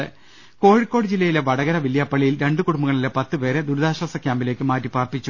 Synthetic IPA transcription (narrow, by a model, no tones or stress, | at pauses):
ɨ | ko̞ːɻikːo̞ːɽɨd͡ʑilːɐjile̞ʋɐɽɐɣɐɾɐʋilːijɐpːɐɭijilɾe̞ɳɖɨkuɽumbuɣɐɭilepɐt̪ːɨpe̞ːɾed̪uɾd̪aːɕwɐsɐkʲjaːmbile̞ːkːɨmaːtːipaːrp̪ːit͡ɕːu